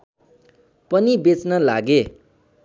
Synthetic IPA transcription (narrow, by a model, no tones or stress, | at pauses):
pʌnibet͡snʌla̰ɡe